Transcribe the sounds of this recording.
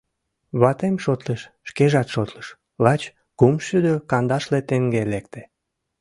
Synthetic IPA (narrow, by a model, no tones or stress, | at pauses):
βɑt̪emʃot̪leʃ | ʃkeʒɑt̪ʃot̪ləʃ | lɑt͡ɕ | kumʃyd̪økɑnd̪ɑʃlet̪eŋɡelek̚t̪e̥